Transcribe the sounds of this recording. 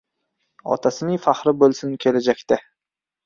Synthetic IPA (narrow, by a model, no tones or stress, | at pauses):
ɒ̰t̪ʰasɪnɪŋfahɾɪbɵlˠsɪnkʲʰe̞lad͡ʒakʲt̪a